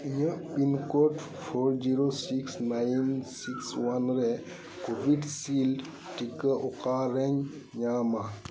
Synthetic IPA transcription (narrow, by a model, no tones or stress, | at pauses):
ijə̃pinkɔʈ | pʰɔɾd͡ʒiɾosiksnajnsikswanɾɛ | kobiɖsil | ʈikəʔɔkaɾɛɲ | ɲama